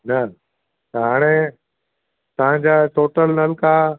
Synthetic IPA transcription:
nɐ | t̪ɐɦaːɽ̃e | t̪ɐʋ̤ãɲd͡ʑaʈoːʈəlnɐlka

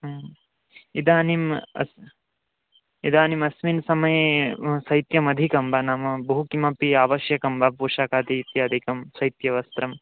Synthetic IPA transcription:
id̪ʱaːnimɐ̰s | id̪ʱaːnimɐsminsɐmɐjesɐjt̪jɐmɐd̪ʱikɐmbʱɐnaːmɐbɐɦukimɐpiaːʋɐʃjɐkɐmbʱɐpuːʃaːkaːt̪iːt̪jɐːd̪ʱikɐmsɐjt̪jɐʋɐst̪ɾɐm

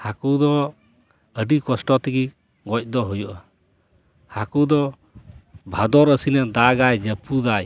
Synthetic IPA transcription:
hakud̪ɔ | əɖikɔsʈɔt̪iɡi | ɡɔc̚ˀd̪ɔɦujuʔa | hakud̪ɔ | bʱad̪ɔɾəsinɛd̪aɡajd͡ʒəpud̪aj

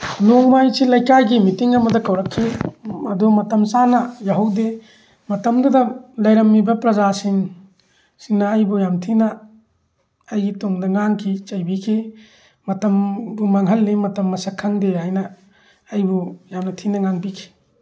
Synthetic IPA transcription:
noŋmajsilɐjkajɡimitiŋɐmɐdɐkɐwɾɐkʰːiɐdumɐtɐmsanɐjaɦuwde | mɐtɐmdɐdɐlɐjɾɐmːibɐpɾɐzasiŋ | siŋnɐːjbujamtʰinɐ | jɡitoŋdɐŋaŋkʰit͡ʃɐjbikʰi | mɐtɐmbumaŋɦɐlːimɐtɐmːɐsɐkʰːaŋdehajnɐː | jbujamnɐtʰinɐŋaŋbikʰi̥

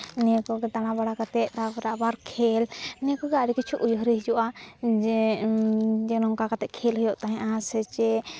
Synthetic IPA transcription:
nɛkɔɡɛt̪aɽ̃ãbaɽakat̪ɛˀt̪abɛɾaʔbaɾkʰɛlnɛkɔɡɛaɾikit͡ʃʰuʔujɦɾiɦd͡ʒɔʔa | d͡ʒɛnɔŋkakat̪ɛʔkʰɛlɦɔjɔʔt̪aɦɛ̃ʔaãsɛt͡ʃɛ

